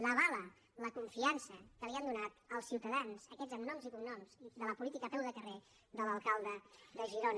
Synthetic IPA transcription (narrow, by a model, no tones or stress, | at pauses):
ləβ̞alə | ləkuɱfiansəkəliand̪unat̪əlˠsiwt̪əðanz̥əkɛzəɡnɔmzikumnɔmzðələpulit̪ikəp̪ɛlˠðəkəre | ðələlˠkalˠd̪əd̪əʒiɾon